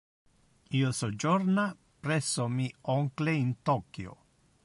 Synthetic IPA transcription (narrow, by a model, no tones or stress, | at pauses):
iosod͡ʒoɾna | pɾesomioŋkleint̪okio̰